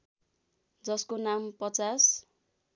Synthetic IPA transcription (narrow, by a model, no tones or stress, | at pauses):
d͡zʌskonampʌt͡sas